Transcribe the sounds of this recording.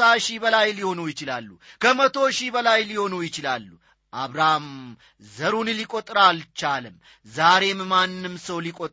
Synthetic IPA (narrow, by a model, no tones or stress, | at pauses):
aʃibəlajliho̞nujɪt͡ʃɪla̰lːṵkʰəmət̪ʰo̞ʃibəlajliho̞nujɪt͡ʃɪlalːu | ʔaβɾahm | zəɾunlikʼot̪ʼɾalt͡ʃalɨmː | zaɾe̞mːanːɨmsəwlikʼot̪ʼ